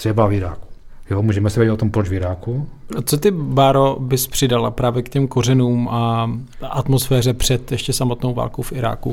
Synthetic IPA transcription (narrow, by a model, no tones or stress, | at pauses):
t̪r̥ɛbavɪɾa̰ːku̥jomuːʒɛmɛsɛɛɪt̪ot̪ompɾot͡ʃvɪɾaːkuot͡sot̪ɪbaɾobɪspr̥ɪdalapɾaːvjɛkcɛmko̞rɛnuːmʔaʔat̪mosfɛːr̝ɛpr̝̥ɛt̪jɛʃcɛsamo̞t̪nowva̰ːlkowfɪɾa̰ːkṵ